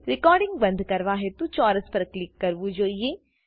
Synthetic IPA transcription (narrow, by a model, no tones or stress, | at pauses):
ɾɪkɔːɾɖɪ̃ŋɡbɐ̃nd̪ʱkɐɾʋaːɦet̪ut͡ʃɔːɾəspɐɾklɪkːɐɾʋud͡ʒoːieː